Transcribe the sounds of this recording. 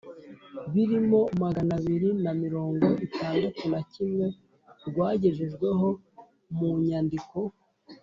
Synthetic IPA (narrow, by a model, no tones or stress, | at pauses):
βiɾimo̞maɡanaβiɾinamiɾo̞ːŋɡo̞ʔitaːndatunacimŋe̞ | ɾɡwaːɟe̞ʒe̞ʒɡwe̞ɦo̞ | muɲandiko̞